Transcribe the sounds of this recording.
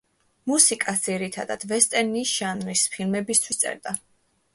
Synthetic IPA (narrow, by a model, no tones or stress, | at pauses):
musikʼasd̪ziɾit̪ʰad̪a̰d̪̥vɛst̪ʼɛɾniʃanɾispʰilˠmɛbist̪ʰwist̪sʼɛ̰ɾd̪a